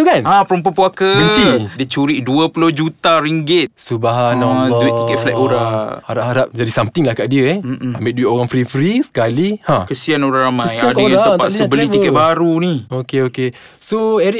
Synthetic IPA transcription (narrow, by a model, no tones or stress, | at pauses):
t̪ukanãpəɾump̬əpuakəbəɲt͡ʃidət͡ʃuɾiʔduəpulohd͡ʒut̪aɾiŋɡɪt̪̚subaɦanɔduɪʔt̪ikɛt̪̚flɛʔ̪oɾaŋhaɾap̚ɦaɾap̚d͡ʒadisamt̪ɪŋlahkaʔdiəɛambɪʔ̚duiʔoɾaŋfɾifɾisə̥kalihãkəsianoɾaŋɾamaəjadəaət̪aʔssəbəlit̪ikɛbaɾuniokeoke | soɛɾi